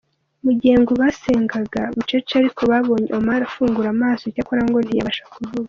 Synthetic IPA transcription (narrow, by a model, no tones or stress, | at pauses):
muɟeːŋɡuβaseːŋɡaɡaβut͡ʃot͡ʃaɾikʰo̞βaβo̞ːɲeomaɾafuːŋɡuɾamaːso̞cakoɾaŋɡo̞nija̰βaʃakuvuβaa